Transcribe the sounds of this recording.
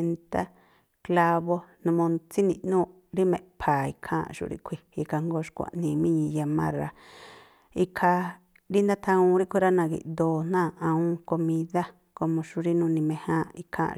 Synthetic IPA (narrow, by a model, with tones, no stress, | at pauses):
nt̪a˦ | kla˧βo˦nũ˧mõ˧nt͡si˦nḭ̃˧ʔnũ˦˧ | ɾi˦mḛ̃˧˨pʰa˨i˧kʰã̰˦˨ʃṵ˧ɾḭ˦ʔkʰʷi˧i˧kʰa˧ŋɡo˦ʃkʷa̰˨ʔnĩ˧mĩ˦ɲĩ˧ja˧mã̰˦ɾa˧ | i˧kʰa˧ | ɾi˦nd̪ã˦t̪ʰã˧ũ˧ɾi˦ʔkʷi˦˧ɾa˦nã˧ɡḭ˧ʔ̪d̪oː˧˨n̥nãː˦˨ã˧ũ˦ko˧mĩ˧ða˦ | ko˧mõ˧ʃu˧ɾi˦nũ˧nĩ˧mẽ˧hã˦i˧kʰã̰˦